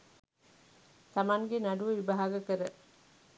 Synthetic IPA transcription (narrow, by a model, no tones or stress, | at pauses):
samaŋɡenaɖuʋəʋibaɦaɡəkəɾə